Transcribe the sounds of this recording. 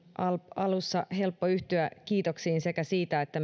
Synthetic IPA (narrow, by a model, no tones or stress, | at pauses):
ʔɑlɑlusːɑhe̞lpːoyht̪yækiːt̪o̞ksiːnse̞kæsiːt̪æet̪ːæ